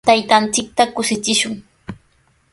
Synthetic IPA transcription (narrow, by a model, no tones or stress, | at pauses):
t̪ajt̪ant͡sɪk̚t̪akʊsɪt͡ʃɪʃʊŋ